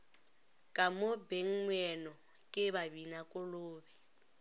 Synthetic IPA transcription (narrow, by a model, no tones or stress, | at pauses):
kʼamobeŋ̩ŋwɛnɔ | kʼɪβabinakʼʊloːbɛ